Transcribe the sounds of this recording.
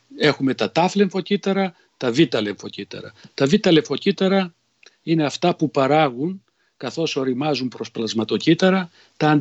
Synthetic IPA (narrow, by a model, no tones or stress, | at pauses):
e̞xume̞t̪ɐt̪ɐfleɱfo̞cit̪ɐɾɐ | t̪ɐvit̪ɐleɱfo̞cit̪ɐ̰ɾɐ̰t̪ɐvit̪ɐleɱfo̞cit̪ɐɾɐ | ine̞ɐft̪ɐpupɐɾɐɣuŋ | kɐθo̞so̞ɾimɐzumpɾo̞splɐzmɐt̪o̞cit̪ɐɾɐ | t̪ɐːn